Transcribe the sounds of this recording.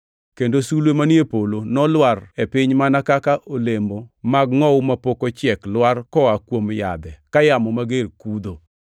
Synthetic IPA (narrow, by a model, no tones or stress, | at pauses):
kendosulwemanjepolonɔlwarepɪɲmanakakaʔolembomaɡŋɔwʊmapokot͡ʃjɛklwarkɔakwomja̰d̪ɛkajamɔmaɡerkud̪o